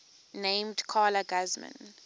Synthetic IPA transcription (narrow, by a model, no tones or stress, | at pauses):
nẽɪ̃mdkʰaːlaɡazmə̰̃n